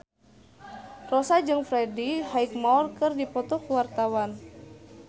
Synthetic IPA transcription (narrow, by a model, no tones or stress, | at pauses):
rɔsad͡ʒɨŋfɾɛdihaik̚mɔrkɨrdipɔt̪ɔkuwart̪awan